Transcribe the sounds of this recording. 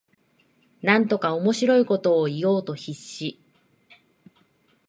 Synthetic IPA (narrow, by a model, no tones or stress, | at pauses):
nãnt̪o̞kao̞mo̞ɕiɾo̞iko̞t̪o̞ːijo̞ːt̪o̞çiɕːi